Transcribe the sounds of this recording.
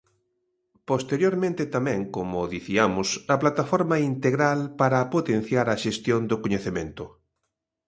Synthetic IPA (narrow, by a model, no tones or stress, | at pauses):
post̪eɾjoɾmẽnt̪et̪amɛ̃ŋkomʊðiθiamʊsɐplat̪afɔɾmaint̪eɣɾalpaɾapot̪en̟θjaɾɐʃest̪jond̪ʊkoɲeθemẽnt̪ʊ